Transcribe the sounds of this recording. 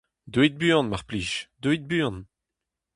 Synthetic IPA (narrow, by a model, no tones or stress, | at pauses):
d̪wit̪̚bỹnmaʁpliːʃd̪wit̪̚byːɔ̃n